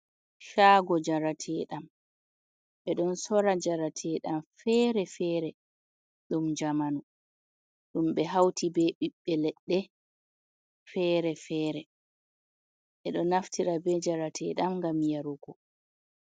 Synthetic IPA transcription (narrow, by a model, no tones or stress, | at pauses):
ʃaːɡɔd͡ʒaɾatʰɛɗam | ɓɛɗɔnsɔɾad͡ʒaɾatʰɛɗamfɛːɾɛfɛːɾɛ | ɗumd͡ʒamanu | ɗumɓɛɦawtʰibɛɓiɓːɛlɛɗːɛ | fɛːɾɛfɛːɾɛ | ɓɛɗɔnaftʰiɾabɛd͡ʒaɾatʰɛ̰ːɗamŋɡamjaɾuɡɔ